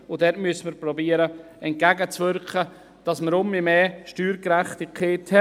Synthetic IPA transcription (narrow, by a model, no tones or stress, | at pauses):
ʊdɛtmyəsəməɾpɾɔbiəɾə | ɛnt̚kæɡət͡svʏɾkχə | d̥ɑsməɾʊmimɛːʃtyːɾkɾæχtikʰeːthɛ